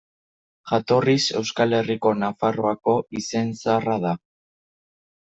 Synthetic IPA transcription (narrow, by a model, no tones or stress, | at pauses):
ʝat̪o̞rise̞wskale̞riko̞nafaroako̞ise̞nsarað̞a